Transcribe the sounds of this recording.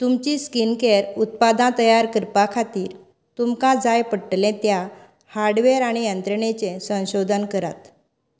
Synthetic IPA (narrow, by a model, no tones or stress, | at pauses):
t̪umt͡ɕiskinkeɾut̪̚pad̪ãt̪əjaɾkəɾpakʰat̪iːɾ | t̪umkãd͡zajpəʈlẽt̪ja | haɾɖʋeɾaɽ̃ijənt̪ɾəɳet͡sẽsə̃w̃ɕod̪ʱənkəɾat̪